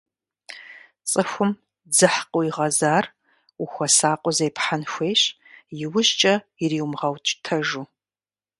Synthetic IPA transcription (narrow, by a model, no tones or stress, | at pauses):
t͡sʼɨxʷʊm | d͡zɨħqʼoiʁɐzaːr | uxʷɐsaːqʷʼɔzejpħanxʷeːɕ | jɪwʊʑt͡ʃʼɐ | iriːwmʁɐwt͡ʃʼtʰɐʒu